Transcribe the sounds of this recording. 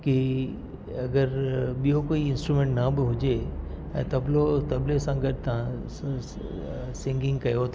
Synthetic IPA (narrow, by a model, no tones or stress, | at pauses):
ki | ɐɡəɾɓijokoːiɪ̃nsʈɾumẽːɳʈnɐbɪɦʊd͡ʒe | ɛ̰̃ːt̪ɐblot̪ɐblesãɡəɖt̪ɐã | sɪ̃ŋɡɪ̃ŋɡ̚kɐjot̪ʰː